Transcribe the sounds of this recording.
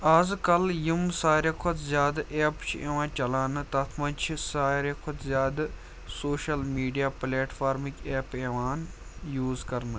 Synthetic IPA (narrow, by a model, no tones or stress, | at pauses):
aːzkɐljimsaːɾekʰot̪zʲjaːd̪ʔeːpt͡ʃʰiḛːʋãːnt͡ʃɐlaːnɨt̪ɐt̪ʰmɐnt͡ʃʰisaːɾekʰot̪ʰzʲjaːd̪ | soːʃɐlmiːɖijaːpleːʈfʰaːɾmikʲeːpeːʋaːn | juːzkɐɾnɨ